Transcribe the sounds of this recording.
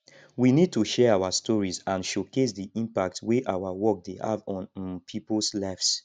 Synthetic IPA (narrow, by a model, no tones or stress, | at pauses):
winid̚tuʃɛawastɔɹizãnʃokes̬diʔĩmpak̚tweʔawawɔk̚deha̰vɔ̃npʰiplslaɪfs